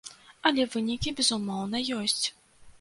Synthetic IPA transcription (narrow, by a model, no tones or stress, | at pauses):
ɐlʲɛvɨnʲikʲibʲɛzumɔwn̪ɐjɔsʲt͡sʲ